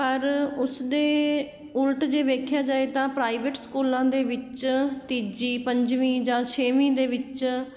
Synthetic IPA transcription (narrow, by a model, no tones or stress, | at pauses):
pəɾʊsd̪eː | ʊlʈd͡ʒeːʋeːkʰjaːd͡ʒaːeːt̪ãːpɾaːiʋeʈskuːlãːd̪eːʋɪt͡ʃt̪iːd͡ʒiːpəɲd͡ʒʋĩːd͡ʒãːt͡ʃʰeːʋĩːd̪eːʋɪt͡ʃ